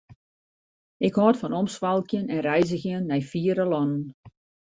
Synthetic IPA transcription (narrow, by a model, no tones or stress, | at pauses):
ɪkhɔːtfɔnɔmsʋalˠkjənɛnrɛjzəxjənːɛjfiəɾəlˠɔnən